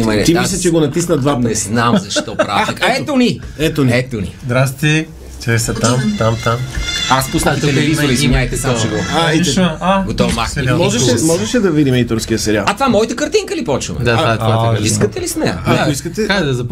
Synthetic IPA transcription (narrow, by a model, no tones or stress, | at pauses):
imɐimis̬lʲɐt͡ʃɛɡonɐt̪isnəd̪vab̪nɛznamzɐʃt̪ɔpɾa̰kɛt̪oniɛt̪onɛt̪onḭzd̪ɾast̪t̪i | t͡ʃɛsɛt̪amt̪amt̪amaspusnɐk̪ɛlɛvizoɾimʲajt̪ɛsɔt͡ʃɛɡoaɛiaɡot̪ɔmakmɔʒɛʃɛmɔʒɛʃɛd̪ɐvid̪imɛit̪oɾsk̟iəsɛɾialɐt̪vamɔjt̪əkɐɾt̪iŋkəlipɔt͡ʃə̰md̪at̪amaiskət̪ɛlisnɛaoiskət̪ɛkad̪ɐzɐp